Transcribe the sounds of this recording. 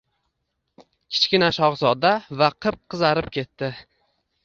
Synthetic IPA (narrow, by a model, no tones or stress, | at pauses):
kʲʰɪ̥t͡ʃkʲɪnaʃɒʁzɒd̪avaqʰɨp̚qʰɨzaɾɪp̚kʲʰe̞t̪ːɪ